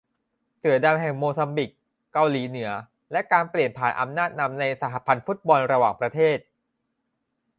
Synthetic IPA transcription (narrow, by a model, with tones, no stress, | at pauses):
sɯ˨˩˦ɐda˧mɦɛ˨˩ŋmoː˧sa˧mbi˨˩kː | a˧wliː˩˦nɯ˩˦ɐ | lɛ˦˥ʔkaː˧npli˨˩ənpʰaː˩˦nʔa̰˧mnaː˥˩t̪̚na˧mna˧jsa˧ɦa˧˥pʰa˧nfu˦˥t̪̚bɔ˧nɾa˧waː˨˩ŋpɾa˧t̪ʰeː˥˩t̪̚